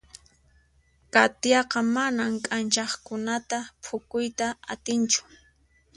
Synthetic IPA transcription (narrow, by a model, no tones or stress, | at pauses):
kat̪jɑqɑmanamkʼant͡ʃɑχkʊnat̪apʰʊkʊjt̪aat̪ɪnt͡ʃʊ̥